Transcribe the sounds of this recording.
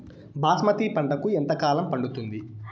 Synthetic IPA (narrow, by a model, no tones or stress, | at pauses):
bʱaːsmɐt̪ipɐɳɖɐkuent̪ɐkaːlɐmpɐɳɖut̪und̪i